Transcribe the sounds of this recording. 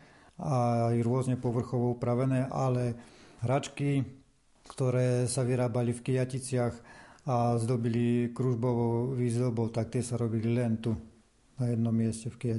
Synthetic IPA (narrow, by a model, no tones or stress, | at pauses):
aiɾʊɔzɲɛpɔʋr̩xɔʋɔupɾaʋɛnɛːʔalɛɦɾat͡ʃki | kt̪ɔɾɛːsaʋiɾaːbalifkijacit͡sɪaxazd̪ɔbilikɾuʒbɔʋɔʊʋiːzd̪ɔbɔʊt̪ak̚t̪ɪɛsaɾɔbililɛnt̪u | najɛd̪nɔmːɪɛscɛfkija